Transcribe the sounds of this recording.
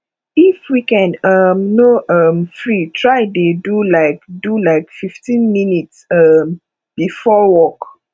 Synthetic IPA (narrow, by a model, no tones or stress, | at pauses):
ifwikɛ̃nʌmːnoʔʌmfɹitʰɹaɪdedulaɪk̚dulaɪkfiftĩnminitsʌm | b̥ifɔwɔk